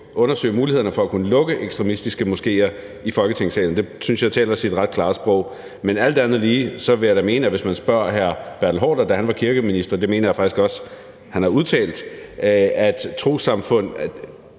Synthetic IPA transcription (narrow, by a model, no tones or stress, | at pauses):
ʔɔ̽nɐsø̰ɪmuːlihe̝ðˠɐnəfɒ̽ækʰunəlɔ̽ɡ̥əʔeɡ̥sd̥ʁɛmisd̥isɡ̥əmosɡ̥e̝̰ːɐ | ifɒ̽lɡ̥ət͡sʰeŋ̰sɛ̰ln̩d̥e̝synsjɑ̈ɪt͡sʰɛ̰ːlɐsid̥ʁɑ̈d̥kʰlɑ̈ːsb̥ʁɔ̽ʊ̰ | menæl̰d̥ænð̞̩ˠliːsɒ̽ʋe̝jaɾæme̝ːnæʋe̝smænsb̥ɶɐ̰ɦæɐ̰b̥æɐ̰̥l̩ɦɒ̰ːd̥ɐd̥æhænʋɑ̈kʰiɐɡ̥əminisd̥ɐd̥eme̝̰ːnɐjɑ̈fɑ̈ɡ̥isɡ̥ɒ̽s | hænhɑ̈uðˠt͡sʰɛ̰ːld̥ | æd̥t͡sʰʁo̝̰ːsɑ̈mfɔ̽n̰